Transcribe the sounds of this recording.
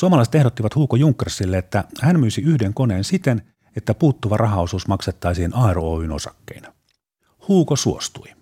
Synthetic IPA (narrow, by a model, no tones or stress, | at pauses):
suomɑlɑˑiset̪e̞hdot̪ːiʋɑt̪huːkojuŋkːersilːeet̪ːæhænmyːsiyhdeŋko̞ne̞ːnsit̪en | et̪ːæpuːt̪ːuʋɑrʔɑɦɑosuːsmɑkset̪ːɑisiːnɑeroo̰ːyno̰sɑkːḛin | huːkosuo̰st̪ui